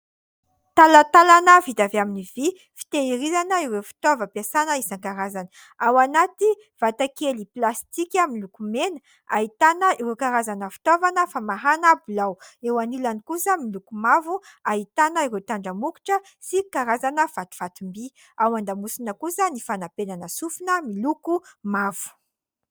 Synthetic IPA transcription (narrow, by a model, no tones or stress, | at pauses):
t̪alat̪alanəvit̪aveaminivi | fi̥t̪eiɾizanəiwewfi̥t̪ovəpasanəisaŋkaɾazanə | awanat̪i | v̥at̪akeliplast̪ikʲaminlukumenə | aɦit̪anəiwewkaɾazanəfi̥t̪ovanəfamaɦanablawewanilanikusəmilukumavuaɦit̪anəiɾet̪aɳɖ͡ʐəmuki̥ʈ͡ʂə | sikaɾazanəv̥at̪u̥v̥at̪umbi | awand̪amusinəkusənifanapenanəsufunəmilukumavu̥